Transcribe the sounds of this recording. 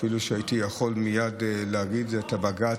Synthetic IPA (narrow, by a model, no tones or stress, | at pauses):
filuʃeait̪ijaχo̞lmijadleaɡid̪zeːt̪abaɡa